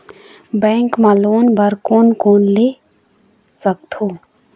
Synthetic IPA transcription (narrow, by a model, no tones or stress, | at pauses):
bɛ̃ːŋkmãːloːnbɐɾkoːnkoːnleː | sək̚t̪oː